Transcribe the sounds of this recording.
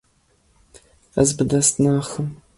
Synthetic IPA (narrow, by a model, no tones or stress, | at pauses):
ɐ̰zbɨdɐstnaːxəm